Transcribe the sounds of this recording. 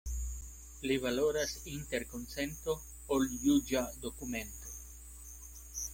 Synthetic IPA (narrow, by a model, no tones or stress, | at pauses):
liβaloɾasint̪eɾkonsent̪o | oljud͡ʒad̪okumẽnt̪o